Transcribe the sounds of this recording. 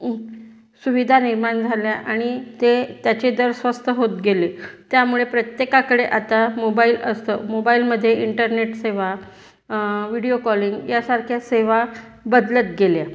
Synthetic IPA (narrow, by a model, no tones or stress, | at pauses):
suʋid̪ʱaniɾmand͡zʱaljaʔaɽ̃it̪et̪jat͡ɕed̪əɾsʋəst̪ʰəɦot̪̚ɡelet̪jamuɭepɾət̪jekakəɽeʔat̪amobailəst̪əmobailməd̪ʱːjeiɳʈəɾneʈseʋa | ʋiɽiokɔliŋɡjasaɾkʰjaseʋa | bəd̪lət̪̚ɡelja